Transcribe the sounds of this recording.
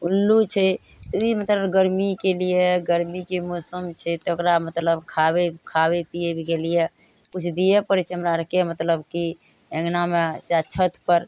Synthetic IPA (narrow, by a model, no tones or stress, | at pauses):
ulːut͡ʃʰɛ | t̪imət̪ləbɡəɾmikelijeɡəɾmikemosəmt͡ʃʰɛt̪okɾamət̪ləbkʰabekʰabepijebʱikelije | kut͡ʃʰd̪ijepəɾit͡ʃəmɾaɾkemət̪ləbki | eŋnamet͡ʃat͡ʃʰət̪ʰpəɾ